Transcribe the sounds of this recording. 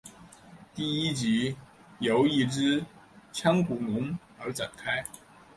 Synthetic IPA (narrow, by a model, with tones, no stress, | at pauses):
t̪i˥˩i˥t͡ɕi˧˥ | jo˧˥ʊi˥˧ʈ͡ʂɻ̩˥t͡ɕʰjɑ˥ŋku˨˩nʊ˧˥ŋ | ə˞˧˥ʈ͡ʂa̰˨˩nkʰa˥ɪ